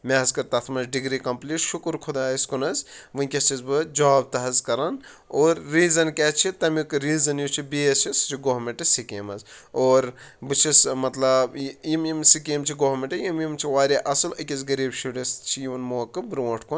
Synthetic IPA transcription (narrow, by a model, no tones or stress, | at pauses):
meɐzkɐɾt̪ɐt̪ʰmɐzɖiɡɾikɐmpliːʈʃukɾkʰud̪aːiskunɐzʋɨnʲkʲɐst͡ʃizbɨd͡ʒaːb̚t̪ɐɦɐzkɐɾɐn | oːɾːiːzɐnket͡ʃʰit̪ɐmikɨɾiːzɐnjut͡ʃʰibiet͡ʃʰisd͡ʒʰiɡoɦmeɳʈɐsikeːmɐzoːɾbɨt͡ʃʰismɐt̪lɐbjimjimsikiːmt͡ʃʰiɡoɦmeɳʈɐjimjimt͡ʃʰiʋaːɾiʔɐsɨlɐkʲizɡɐɾiːbʃuɽist͡ʃʰijiʋnmoːkɨbɾoːʈʰkun